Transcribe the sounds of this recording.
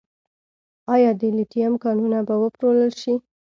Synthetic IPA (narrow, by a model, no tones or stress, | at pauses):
ɑjɑd̪əliʈijamkɑnunabawəpɾoləlʃi